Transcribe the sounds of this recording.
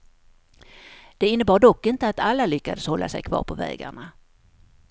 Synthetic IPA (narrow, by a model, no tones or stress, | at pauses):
d̪̥ɛɪnːəbɑːɖɔkːɪnt̪əat̪alːalʏkːad̪əshɔlːa̰sɛjkʰvɑ̰ːɾpʰɔvɛ̰ːɡa̰ɳa